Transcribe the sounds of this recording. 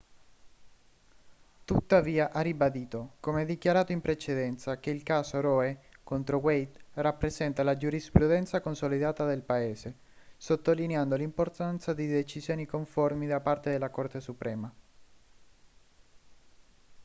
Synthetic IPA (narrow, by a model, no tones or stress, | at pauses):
t̪ut̪ːaviːaʔaːibad̪iːt̪okomeɛd̪ik̟jaɾaːt̪oimpɾet͡ʃed̪ɛnt̪sak̟eilkaːsoɾɔekont̪ɾowejt̪rapːɾesɛnt̪alad͡ʒuɾispɾud̪ɛnt̪sakonsolid̪aːt̪ad̪elpaeːse | sot̪ːolineand̪olimport̪ant̪sad̪id̪et͡ʃizjoːnikoɱformid̪apart̪ed̪elːakort̪esupɾɛːma